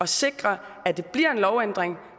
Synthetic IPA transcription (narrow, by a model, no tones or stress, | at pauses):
ɒ̽se̝ɡ̥ʁɐ | æd̥e̝b̥liɐ̰e̝nlɒʊen̰d̥ʁeŋ